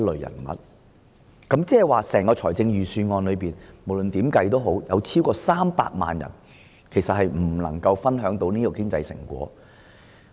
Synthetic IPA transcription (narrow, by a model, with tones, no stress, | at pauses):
lɵ˨jɐ̰˨˩nmɐ̰˨˩t̚ | kɐ˨˥mt͡sɛː˥ɐ˨˩waː˨˩sɛː˨˩ŋkɔː˧t͡sʰɔː˨˩jt͡sɪ˧ŋjyː˨˩syː˧nŋɔː˧nlɵ˨˧piː˨˩nmo˨˩wlɵ˨nt̪iː˨˥mkɐ˧jt̪̬o˥wɦo˨˥wjɐ̰˨˧wt͡sʰiː˥wkɔː˧saː˥mpa̰ː˧k̚ma̰ː˨njɐ̰˨˩n | kʰe˨˩jsɐ˨t̚ɦhɐ˨jm̩˨˩lɐ̰˨˩ŋkɐ˧wfɐ˥nɦœː˨˥ŋt̪o˨˥wniː˥kɔ˨˧kɪ˥ŋt͡sɐ̰˧jsɪ̰˨˩ŋkʷɔ̰ː˨˥